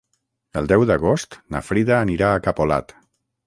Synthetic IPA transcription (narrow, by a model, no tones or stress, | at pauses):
əlˠd̪ɛwðəɣ̞ost̪nə̰fɾiðaːniɾaːkapola̰t̪